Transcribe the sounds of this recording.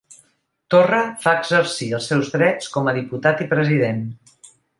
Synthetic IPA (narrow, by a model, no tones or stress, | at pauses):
t̪orəfaəɡzəɾsiəlˠsɛwzðɾɛt͡skɔməðiput̪at̪ipɾəziðen